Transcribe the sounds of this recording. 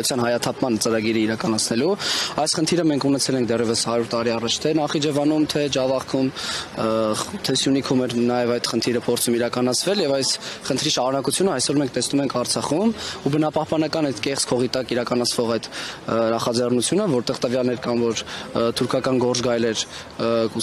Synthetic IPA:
ut͡sʰjɑnɦɑjɑt̪ʰɑpʰmɑnt͡səɾɑɡiɾiiɾɑkɑnɑt͡sʰnɛluɑjsχənt̪ʰiɾəmɛŋkʰunɛt͡sʰɛlɛŋk̚ʰd̪ɛrjɛvəshɑɾuɾt̪ːɑɾiɑrɑt͡ʃʰt̪ʰɛnɑχid͡ʒɛvɑnumt̪ʰɛd͡ʒɑvɑχkʰum | t̪ʰɛsjunikʰumɛɾnɑjɛvɑjt̪χənt̪ʰiɾəpʰɔɾt͡sʰumiɾɑkɑnɑt͡sʰvɛljɛvɑjsχənt̪ʰɾiʃɑɾunɑkut͡sʰjunəɑjsɔɾmɛŋkʰt̪ɛsnumɛŋkʰɑɾt͡sʰɑχumubənɑpɑhpɑnɑkɑnɛt̪kɛχt͡skʰɔʁit̪ɑkiɾɑkɑnɑt͡sʰvɔʁɑjd̪nɑχɑd͡zɛrnut͡sʰjunəvɔɾt̪ɛʁt̪əvjɑlnɛɾkɑnvɔɾt̪ʰuɾkʰɑkɑnɡɔɾt͡sɡɑjlɛɾ | ku

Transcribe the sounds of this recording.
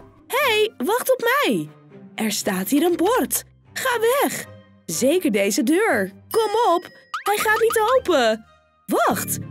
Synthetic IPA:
hejʋɑχtɔpmɛj | ʔɛɹstaːtɦiːɾənbɔɹt | χaːʋɛχ | zejkəɹdejzədøːɹkɔmɔp | hɛjχaːtnitowpə | ʋɑχt

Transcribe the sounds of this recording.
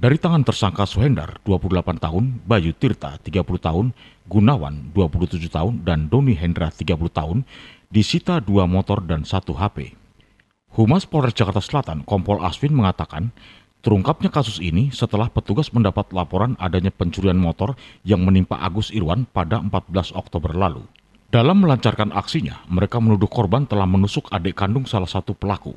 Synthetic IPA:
daɾit̪aŋant̪ərsaŋkasuɦɛnda̰rd̥uapuludəlapant̪aɦʊnbajut̪irt̪a̰t̪iɡapuluht̪aɦʊn | ɡunawa̰nduapuluht̪ud͡ʒuht̪aʊndandoniɦɛndɾat̪iɡapuluht̪aɦʊn | disit̪aduamɔt̪ɔrdansat̪uɦapḛ | humaspɔɾɛsd͡ʒakart̪asəlat̪ankɔmpɔlʔa̰swɪnməŋat̪akan | t̪əɾuŋkap̚ɲakasʊsinisət̪əlahpət̪uɡasməndapat̪lapɔɾana̰daɲapəɲt͡ʃuɾianmɔt̪ɔrjaŋmənimpa̰ʔa̰ɡʊst̪iɾuwanpadaəmpat̪̚bəlasɔk̚t̪obərlalṵ | dalamːəlaɲt͡ʃarkanʔa̰ksiɲa̰məɾekamənudʊhkɔrbant̪əlahmənusʊkadɛʔkandʊŋsalahsat̪upəlakṵ

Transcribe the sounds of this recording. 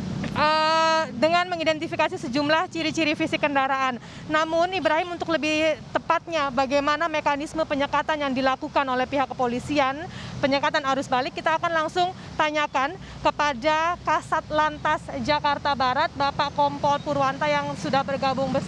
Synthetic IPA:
ʔədəŋanməŋidɛnt̪ifikasisəd͡ʒumlaht͡ʃiɾit͡ʃiɾifisikəndaɾaanː | amʊnibɾaɦimunt̪ʊkləbɪht̪əpat̪̚ɲabaɡajmanamekanisməpəɲəkat̪anjaŋdilakukanolɛhpiɦakːə̥polisianpəɲəkat̪anaɾʊsbalɪkːit̪aːkanlaŋsʊŋ | t̪aɲakan | kəpadakasat̪̚lant̪asd͡ʒakart̪abaɾat̪̚bapaʔkɔmpɔlpuɾuant̪ajaŋsudahbərɡabʊŋbəs

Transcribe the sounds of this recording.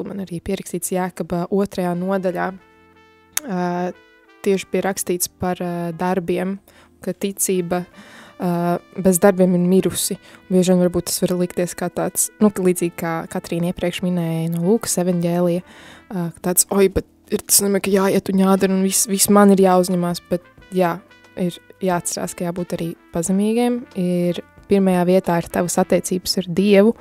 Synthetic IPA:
manaɾiːpiɛɾɐkst̪iːt̪sjaːkɔbaʔuɔt̪ɾɐjaːnuɔd̪aʎʲaː | t̪iɛʃbijɾakst̪iːt̪spaɾd̪aɾbiɛm | kat̪it̪siːbɐ | bɛzd̪aɾbiɛmiɾmiɾusibiɛʒʲiɛnvaɾbuːt̪̚ːasʋvaɾlˠikt̪iɛskaːt̪aːt̪snuklˠiːziːɡ̚kaːkat̪ɾiːniɛpɾiɛkʃminɛːjnuɔlˠuːkə̥sɛvanɟɛːlˠijɐ | t̪aːt̪sɔjbɛt̪ | iɾt̪ḁsnomikɐjaːjiɛt̪uɲaːd̪ɐɾunvisʋismaniɾjaːuzɲɛmaːsb̥ɛt̪̚ | jaː | iɾjaːat̪t̪sɛɾa̰ːskɐjaːbuːt̪aɾiːpazɛmʲiːɡimiɾpiɾmɐjaːʋiɛt̪aːiɾt̪aʋəsat̪ːɛːt̪siːbsaɾd̪iɛʋu

